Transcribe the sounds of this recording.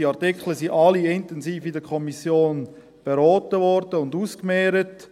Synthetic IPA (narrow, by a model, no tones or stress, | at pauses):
iɑɾtikχləsiʔɑliɪntɛnziːfidəkʰɔmisjoːn | b̥eɾɔːtəʋɔɾdəʊnduːskmɛːɾət